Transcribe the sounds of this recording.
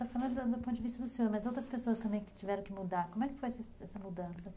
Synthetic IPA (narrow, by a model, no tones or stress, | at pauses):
t̪afalɐ̃d̪ʊd̪ɐd̪ʊpõt̪ʊd͡ʒɪvist̪ɐd̪ʊsfilɐmɐzowt̪ɾɐspesoɐst̪ɐ̃mbẽj̃kɪ̥t͡ʃivɛɾɐ̃kɪmud̪aɾkõmʊɛkɪ̥fojɛsɐsɛsɐmud̪ɐ̃sɐ